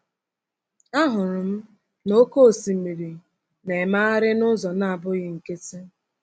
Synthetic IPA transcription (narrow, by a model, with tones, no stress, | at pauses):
a˦ɦʊ˨ɾʊ˨m̩˦ | no˦ko˦˨si˨mi˨ɾi˨ | ne˨ma˦a˦ɾɪ˦nʊ˦zɔ˨na˦˨a˨bʊ˦ɣɪ˦ŋ̩˨ke˦te˦